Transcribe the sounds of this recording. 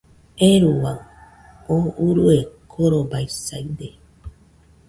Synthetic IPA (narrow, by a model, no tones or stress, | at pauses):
eɾuwaŋ | ouɾuekʰoɾobajsajd̪e